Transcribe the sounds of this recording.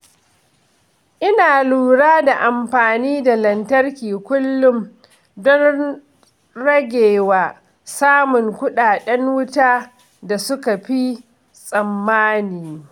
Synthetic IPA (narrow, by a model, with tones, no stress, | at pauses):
ʔɪ˦naː˨luː˨ɽaː˦da˨ʔa˨mɸaː˨niː˦da˨lɐ˨ntɐ˦rkʲiː˨kʷʊ˦lːʊ˦m | dɔ˦n | ɾɐ˦ɡʲeː˨waː˨ | saː˦mʊ˨ŋkʷʊ˦ɗaː˨ɗɛ˦ŋwʊ˦taː˦ | da˨sʊ˦ka˨ɸi˦ | sʼɐ˨mːaː˦niː˨